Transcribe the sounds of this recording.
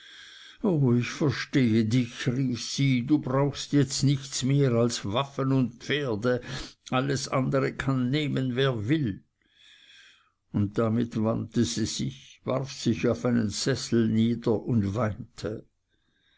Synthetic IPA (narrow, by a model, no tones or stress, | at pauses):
ʔoːɪçfɛɐʃteːədɪçʁiːfsiːduːbʁaʊxstjɛt͡stnɪçt͡smeːʁalsvafənʊnt̚pp͡feːɐdəʔaləsʔandəʁəkʰanːeːmənveːɐvɪl | ʊnt̚d̥amɪtvantəziːz̥ɪçva̰ʁfsɪçaʊfaɪnənz̥ɛsl̩niːdɐʔʊndvaɪntʰə